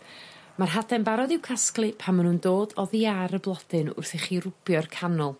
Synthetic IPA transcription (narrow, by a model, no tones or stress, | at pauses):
marɦadɛnbaɾɔðɪwkʰasklˠɨpʰamənundoːdɔðiaɾəblˠɔd̥ɨnʊ̰rθɛχiːrʊb̥jɔrkʰanʊlˠ